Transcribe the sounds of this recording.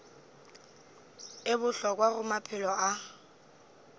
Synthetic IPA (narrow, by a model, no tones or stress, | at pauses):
ɪbʊɬɔkwaɣʊmapʰɪlɔa